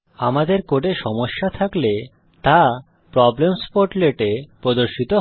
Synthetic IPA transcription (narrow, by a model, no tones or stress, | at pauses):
amad̪eɾkoʈeʃɔmoʃːat̪ʰakle | t̪a | pɾɔblemspoɾʈleʈepɾod̪oɾʃit̪o